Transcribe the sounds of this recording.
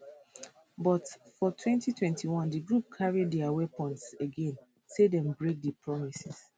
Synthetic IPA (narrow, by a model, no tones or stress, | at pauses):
bɔtfɔtʰwɛ̃ntitʰwɛ̃ntʰiwɔ̃ndiɡɹup̚kʰaɹiddɛawɛpɔ̃ntseɡẽn | sedɛ̃mbɹek̚dipʰɹɔmisis